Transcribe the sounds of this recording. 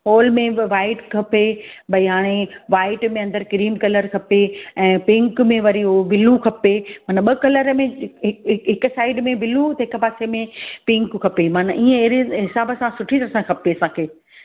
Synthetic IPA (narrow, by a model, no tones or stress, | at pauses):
ɦɔːlmẽʋaːɪʈkʰɐpebɐiɦaːɽ̃eʋaːɪʈmẽɐ̃nd̪əɾkɪɾiːmkɐləɾkʰɐpeɛ̃ːpɪ̃ŋkmẽʋɐɾiɦoʋɪlukʰɐpemaːnəɓɐkɐləɾmẽɦɪɦɪksaːɪɖmẽʋɪlut̪ɐɦɪkpaːsemẽpɪ̃ŋkkʰːɐpemaːnəʔiːə̃eɦɾeɦɪsaːbəsãsʊʈʰit̪ɐɾsãkʰɐpeɐsãːkʰeː